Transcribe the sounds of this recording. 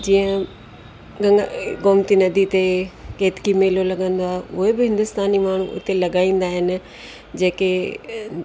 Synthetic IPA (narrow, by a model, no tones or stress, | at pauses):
d͡ʑiːə̃ | ɡɐ̃ŋɡɡoːmt̪inɐd̪ʱit̪ekeːt̪kimeːlolɐɡə̃nd̪oaːɦeʊɦebɪɦɪ̃nd̪ʊst̪aːnimaːɳ̤uʔʊ̰t̪elɐɠaːĩːn̆d̪aːɦɪnɪ̆ | d͡ʑeːke